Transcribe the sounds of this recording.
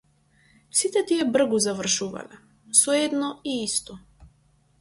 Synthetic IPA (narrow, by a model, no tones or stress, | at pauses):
sit̪ɛt̪iɛbr̩ɡuzavr̩ʃuva̰lɛ | sɔɛd̪nɔiist̪ɔ